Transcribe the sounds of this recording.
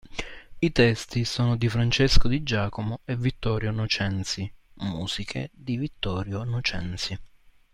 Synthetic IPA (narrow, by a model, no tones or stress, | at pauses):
it̪ɛst̪isoːnod̪ifɾant͡ʃɛskod̪id͡ʒaːkomoevːit̪ːɔːɾjonɔt͡ʃɛnt̪si | muːz̥ikʰḛd̪ivit̪ːɔːɾjonɔt͡ʃɛ̰nt̪si